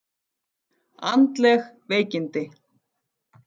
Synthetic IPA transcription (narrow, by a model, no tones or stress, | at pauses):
a̰nt̪lɛx | vejcɪnt̪ɪ